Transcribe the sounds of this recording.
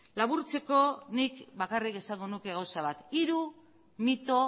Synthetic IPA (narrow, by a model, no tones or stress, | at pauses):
laβuɾt͡se̞ko̞nikbakarike̞saŋɡo̞nuke̞ɣ̞awsaβat̪iɾu | mit̪o̞